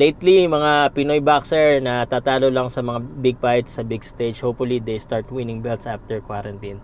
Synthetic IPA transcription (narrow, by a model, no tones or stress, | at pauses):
lejt̪limɐŋapɪnojbaksɛɹnɐt̪aːt̪aːlolɐŋsɐmɐŋabɪɡ̚pajt̪sɐbɪɡst̪ed͡ʒhopfʊlid̪ejst̪aɹt̪wɪnɪŋbɛlt̪sʔaft̪ɛɹkwaɾɐnt̪in